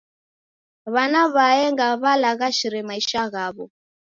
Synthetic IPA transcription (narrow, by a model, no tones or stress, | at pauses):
βanaβaɛŋɡaβalaɣaʃiɾɛmaiʃaɣaβɔ